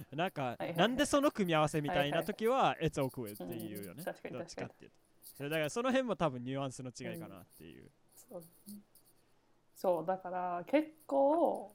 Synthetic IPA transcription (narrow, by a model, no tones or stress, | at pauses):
nãŋkaãnd̪e̞so̞no̞kɯ̟mʲiaβ̞ase̞mʲit̪ainat̪o̞kʲiβae̞t͡sɨokɯ̟et̪ːeɯːjoned̪ot͡ɕi̥ka̰t̪ːḛɯ̰t̪ | sd̪akaɾaso̞no̞ɦẽ̞mːo̞t̪abɯ̟̃ɲ̟ɲɨːãɰ̃sɨno̞t͡ɕiɡaikana̰t̪ːe̞̰jɯ̟̰ː | so | soːd̪akaɾake̞kːoː